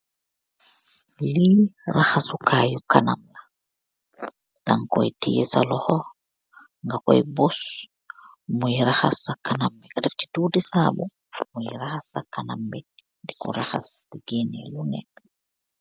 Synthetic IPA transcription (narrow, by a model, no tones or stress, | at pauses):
liɾahasukʰaːjukanamla | taŋkɔ̰jtijɛ̰salɔhɔ | ŋɡakɔ̰jbɔs | mujiɾahasakanambɛkadɛfti̥duːdisaːbu | mujɾahasakanambɛ | ndikɔ̰ɾaha̰sdiɡenɛlunɛ̰